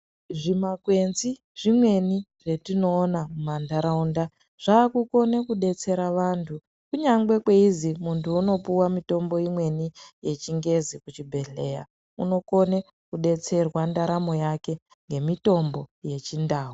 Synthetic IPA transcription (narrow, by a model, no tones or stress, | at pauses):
ʐimakwe̞nzi | ʐimwe̞niʐ̥e̞tino̞ːnamumandaɾaunda | ʐ̥aːkuko̞ne̞kuɗe̞t͡se̞ɾaʋantʰu | kuɲaŋɡe̞kwe̞izimuntʰuːno̞puwamito̞mbo̞imwe̞nije̞t͡ʃiŋɡe̞zikut͡ʃibʱe̞ɮe̞ja̰ | uno̞ko̞ne | kuɗe̞t͡se̞rwandaɾamo̞jake̞ | ŋɡe̞mito̞mboje̞t͡ʃindaːɦu